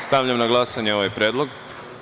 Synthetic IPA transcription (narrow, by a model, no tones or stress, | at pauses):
st̪aʋʎamnaɡlˠasaɲeo̞ʋajpɾʲjed̪lˠoɡ